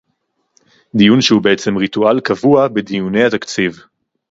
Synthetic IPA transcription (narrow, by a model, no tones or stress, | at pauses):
d̪ijunʃehubeet͡se̞mʁit̪ualkavuabed̪ijune̞jhat̪akt͡siv